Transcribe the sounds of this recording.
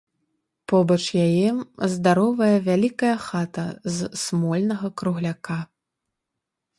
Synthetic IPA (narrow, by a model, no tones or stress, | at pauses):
pɔbɐt͡ʂjajɛzd̪aɾɔvɐjɐvʲalʲikɐjɐxat̪ɐzsmɔlʲnɐɣɐkɾuɣlʲaka